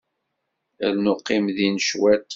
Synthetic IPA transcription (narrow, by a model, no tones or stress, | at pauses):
æɾnʊqːimðinʃwæt̪